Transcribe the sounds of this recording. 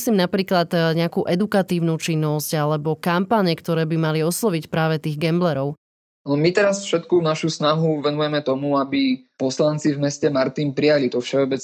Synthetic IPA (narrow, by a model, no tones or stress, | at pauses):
sliːmnapɾiːklad̪ɲɪakuːʔɛd̪ukat̪iːʊnut͡ʃinːɔscalɛbɔkampaɲɛkt̪ɔɾɛːbimaliɔslˠɔʋicpɾaːʋɛt̪iːɣɡɛmblɛɾɔʊ | nɔmit̪ɛɾasfʃɛt̪kunaʃusnaɦuʋɛnujɛmɛt̪ɔmuabipɔslant͡sivmɛscɛmaɾt̪inpɾijalit̪ɔfʃɛɔbɛt͡s